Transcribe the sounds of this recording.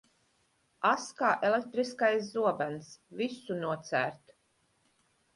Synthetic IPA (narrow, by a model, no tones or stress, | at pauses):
askaːʔelek̚t̪ɾiskajs̬zuɔbænsvisunuɔt̪sæ̰ːɾt̪